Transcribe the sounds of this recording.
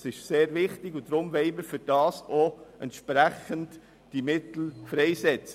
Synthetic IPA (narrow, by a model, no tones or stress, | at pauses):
sɪʃseːɾvɪχtɪɡʊnd̥ɾʊmʋɛɪməɾfʏɾd̥ɑːsoɛ̰ntʃpɾæχənt | d̥imɪt̪l̩fɾɛjsɛt͡sə